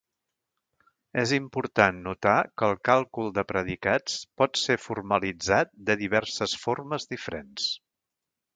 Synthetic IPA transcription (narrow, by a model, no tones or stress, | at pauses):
ezimpuɾt̪anːut̪akəːlˠkalˠkulˠd̪əpɾəðikat͡spɔt̪sefurməlid͡zat̪̚d̪əðiβ̞ɛrsəsforməzðifəɾens